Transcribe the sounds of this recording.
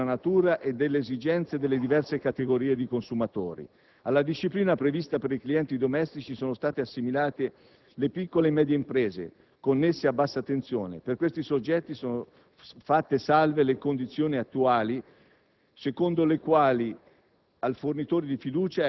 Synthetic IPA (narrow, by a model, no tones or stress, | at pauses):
anat̪uːɾaʔed̪elːeːzid͡ʒɛnt̪sed̪elːed̪ivɛrsekat̪eɡoɾiːed̪ikonsumat̪oːɾḭ | alːad̪iʃːipliːnapɾevist̪apeɾikliɛnt̪id̪omɛst̪it͡ʃisoːnost̪aːt̪easːimilaːt̪e | lepikːolemɛːd̪jeimpɾeːzḛ | konːesːeabːasːat̪ːent̪sjoːnḛperkwest̪isod͡ʒːɛt̪ːisoːno | fat̪ːesalvelekond̪it̪sːjoːniat̪ːuaːli | sekond̪olekwaːli | alfornit̪oːɾid̪ifid̪uːt͡ʃa